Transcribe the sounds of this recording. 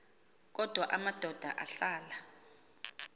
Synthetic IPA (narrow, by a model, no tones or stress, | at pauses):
k̬ʼɔd̥ʱwaʔamad̥ʱɔd̥ʱa̰ʔaɬaːla